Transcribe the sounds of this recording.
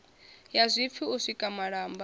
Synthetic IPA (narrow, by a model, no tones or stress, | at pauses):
jazʷip̪fʰiusʷikʼamaɺaːmba